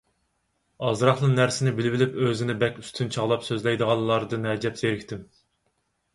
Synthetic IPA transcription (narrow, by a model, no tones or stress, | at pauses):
ɑzɾɑχlˠɨnnæɾsɪnɪbɪlɪbɪlɪpøzɪnɪbɛkʲyst̪ʰynt͡ʃʰɑʁlˠɑpsøzlɛjd̪əʁɑlˠːɑɾd̪ɨnɛd͡ʒɛpseɾɪkʲt̪ʰɪm